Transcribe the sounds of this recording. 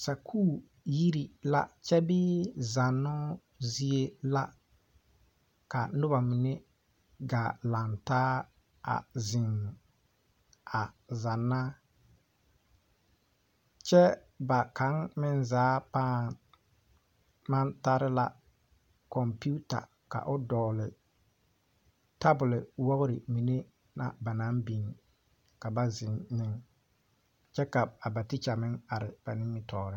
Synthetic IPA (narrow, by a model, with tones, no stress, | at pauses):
sa˨kʰuː˦˨ | ji˦ɾi˨la˦t͡ʃɛ˦bɪ˦za˨nːɔ˦ | zi˦e˦la˦ | ka˨nʊ˦ba˨mɪ˨ne˦ | ɡaː˨la˨ntaː˦ | a̰˨zɪ˨ŋ | a˨za˨nːa˦ | t͡ʃɛ˦ | ba˨ka˨˦ŋmɪ˦nzaː˨˦paː˦ | ma˦nta˦ɾɪ˦la˦ | kɔ˨mpu˦ta̰˨ | ka̰˨ʔʊ˦dɔː˨lɪ˨ | ta˦bʊ˨lɪ˨wɔ˦ɣʊ˦ɾɪ˨mi˨ne˦ | na̰˨ba˨na˨˦mbi˨ŋ | ka˨ba˦zɪ˨nːɪ˦ŋ | t͡ʃɛ˦ka˨a˨ba˨tɪ˦t͡ʃa˨mɪ˦ŋa˨ɾɪ˨b̥a˨nɪ˦mɪ˦tɔː˨ɾɪ˦